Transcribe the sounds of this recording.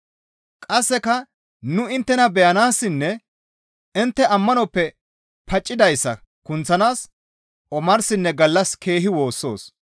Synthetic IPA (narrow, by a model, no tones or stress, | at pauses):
kʼɐsːɛkɐ | nʊɪnt̪ːɛnɐbɛjɐnaːsːɪnːɛ | ɪnt̪ːɛʔɐmːɐnɔpːɛ | pɐt͡ʃʼːɪd̪ɐjsːɐ̰ | kʊnt͡sːɐnaːs | ɔmɐɾsɪnːɛɡɐlːɐske̞ːɦɪwo̞ːsːo̞ːs